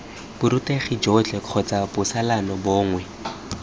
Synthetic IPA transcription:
bʊɾuteχɪd͡ʒɔt͡ɬɛkʰɔt͡sabʊsalanɔbɔːŋwɛ

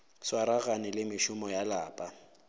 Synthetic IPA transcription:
swaɾaɣanɪlɪmɪʃʊmɔjalaːpʼa

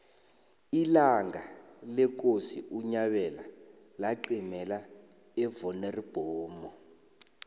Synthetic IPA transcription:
ilaŋɡalɛk̬osiʔuɲaɓɛla | laǃimɛla | ɛvɔnerib̥ʱɔːmɔ

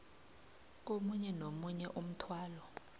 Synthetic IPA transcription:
k̬omuɲɛnomuɲɛʔum̩tʰwaːlɔ

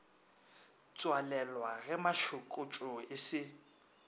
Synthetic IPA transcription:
t͡sʼwalɛlwaɣɛmaʃʊkʼʊt͡ʃʼʊɪsɪ

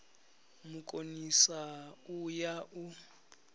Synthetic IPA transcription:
mukʼonisaujaʔu

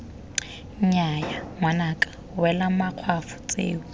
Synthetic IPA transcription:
ɲ̩ɲajaŋwanakʼḁ | wɛlamaq͡χʰwafʊ̥t͡sʼḛːu

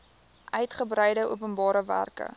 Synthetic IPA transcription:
ʔœɥtχəbɾəjdəʔṵəpənbɑːɾəvæ̰rkə̰

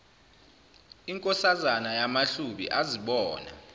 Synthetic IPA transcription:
iŋkʼɔsazanajamaɬuɓḭʔaziɓɔːna̰

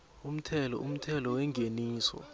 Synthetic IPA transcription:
um̩tʰɛlɔum̩tʰɛlɔwɛŋɡʱeniːsɔ̰

